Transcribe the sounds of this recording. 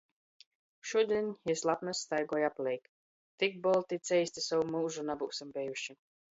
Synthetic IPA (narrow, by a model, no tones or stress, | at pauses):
ʃuɔd̪iɛnʲɛslˠat̪nasːt̪ajɡɔjaplʲˠɛjk | t̪ik̚bɔlˠt̪it̪sɛjsʲt̪isawumuːʒunabuːsimbɛjuʃi